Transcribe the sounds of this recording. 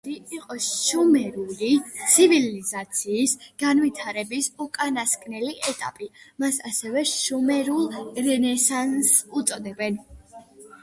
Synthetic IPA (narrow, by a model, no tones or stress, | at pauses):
ɾiiqʼɔʃumɛɾulit̪sʰivilizat̪sʰiːsɡ̥anvit̪ʰaɾɛbisukʼanaskʼnɛliʔɛt̪ʼa̰pʼimasasɛvɛʃumɛɾulˠɾɛnɛsansut̪sʼɔd̪ɛbɛn